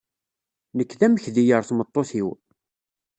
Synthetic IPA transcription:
nəkːðæməçðijəɾˤθmət̪ˤːoθiw

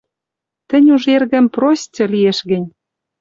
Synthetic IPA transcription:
t̪ə̆nʲuʒerɣə̆mprosʲt͡sʲɤ̆lieʃɣɘ̆nʲ

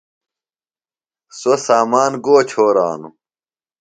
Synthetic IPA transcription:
sosaːmaːnɡoːt͡ɕʰoːɾa̰ːnu

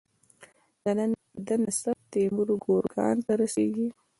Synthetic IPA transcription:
d̪̥ənən | d̪ənasaf̚t̪emuɾuɡoɾɡɑ̰nt̪aɾaseɡi

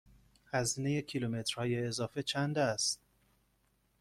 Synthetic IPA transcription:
hæzinejekʰilumet̪ɾhɒːjeːzɒːfe̞t͡ʃʰænd̪æst̪̚

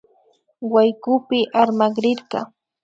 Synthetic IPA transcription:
wajkʊpɪʔaɾmaɢɾɪɾɢɑ̰

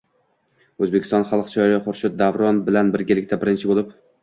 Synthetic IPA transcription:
ɵzbekʲʰɪst̪ɒnχɑlˠqt͡ʃʰɒjɾɪχʊɾʃɪt̪̚d̪avɾɒnbɪlanbɪɾɡʲalɪkʲt̪ʰabɪɾɪnt͡ʃʰɪbolˠɪp

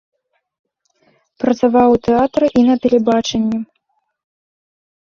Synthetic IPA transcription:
pɾɐt̪savawt̪ɛat̪ɾɐʔinɐpʲɛlʲɛbat͡ʂɛnʲːɛ

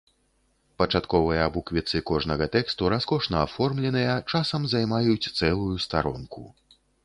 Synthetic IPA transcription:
pɐt͡ʂat̪kɔvɨjɐabukvʲit̪sɨkɔʐnɐɣɐt̪ɛkst̪uɾaskɔʂnɐːfɔrmlʲɛnɨjɐt͡ʂasɐmzajmajut͡sʲt̪sɛlˠujust̪aɾɔ̰nkṵ

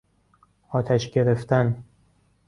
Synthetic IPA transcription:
ɒːt̪ʰæʃɟe̞ɾe̞ft̪æn

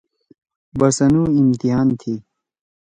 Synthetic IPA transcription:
bɐsɐnuːimt̪iɦaːnt̪ʰiː

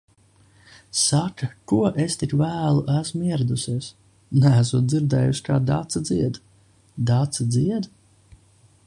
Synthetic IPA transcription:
sakakuɔʔest̪ikvæːlˠuʔæsmiɛɾad̪usiɛs | nææs̬uɔt̪̚d̪iɾd̪ɛ̰ːjuʃkaːd̪a̰t̪sad̪ziɛd̪ | d̪at̪sad̪ziɛd̪

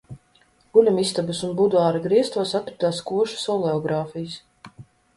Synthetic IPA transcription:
ɡ̥ulʲamist̪abɐsunbud̪aːɾaɡɾiɛst̪uɔsat̪kɾat̪aːskuɔʃu̥sɔlˠɛɔɡɾaːfijs

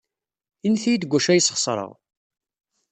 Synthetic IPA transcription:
inθijid̪ɡʷːæʃæjəsχə̥sˤɾˤə̰ʁ

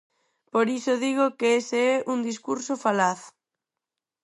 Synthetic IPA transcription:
poɾisoðiɣ̞okeeseɛʔuŋd̪iskuɾsofalaθ

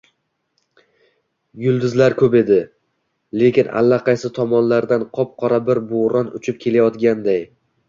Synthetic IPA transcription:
jʊlˠd̪ʊzlaɾkʰɵpe̞d̪ɪ | le̞kʲɪna̰lːaqʰɑjsɪt̪ʰɒmɒnlaɾd̪anqʰɒp̚qʰɒɾabɪɾboɾɒnʊt͡ʃʰɪp̚kʲʰe̞lajɒt̪ɡʲand̪aj

